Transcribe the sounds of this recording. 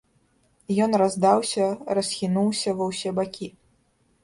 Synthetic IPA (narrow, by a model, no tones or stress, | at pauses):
jɔnrazd̪awsʲɐrɐsʲxʲinuwsʲɐvɐwsʲɛbakʲi